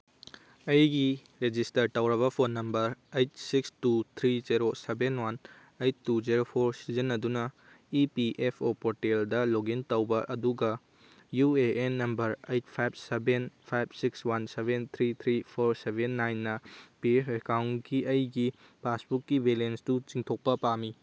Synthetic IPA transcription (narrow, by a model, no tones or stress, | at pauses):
ɐjɡi | ɾed͡ʒistɐɾtɐwɾɐβɐpʰonːɐmbɐɾejtsikstut̪ʰɾizeɾosebenwan | ejtːuzeɾopʰoɾsizenːɐdunɐ | ipiʔepʰopoɾʈeldɐloɡintɐwbɐʔɐduɡɐ | jueːnːɐmbɐɾejt̚pʰajb̚sebenpʰajbsikswansebent̪ʰɾit̪ʰɾipʰoɾsebʱenːajnːɐpiepʰekawnkiɐjɡi | pʰasbukːibelensdut͡ʃiŋtʰok̚pɐpami